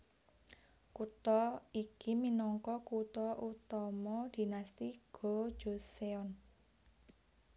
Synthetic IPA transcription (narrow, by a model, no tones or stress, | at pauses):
kut̪ɔikiminɔŋkɔkut̪ɔʔut̪ɔmɔd̪̥i̤nast̪iɡ̥o̥ʒ̥o̤seɔn